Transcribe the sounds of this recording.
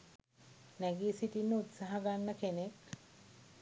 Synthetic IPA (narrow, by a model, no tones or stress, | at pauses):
næɡiːsiʈinːəut̪saɦaɡanːəkenek